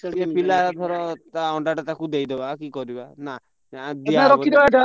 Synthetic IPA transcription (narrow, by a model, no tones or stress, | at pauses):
epilaɾɔt̪ʰɔɾɔt̪aɔɳɖaʈɔt̪akud̪ejd̪ebakikɔɾibana | d̪iaɾɔkid̪ebaʈɔ